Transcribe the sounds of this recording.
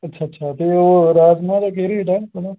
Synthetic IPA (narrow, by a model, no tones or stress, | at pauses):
ɐtːʃʰaːɐtːʃʰat̪eoːɾaːzmãːd̪akeːɾiʈaːkoɽa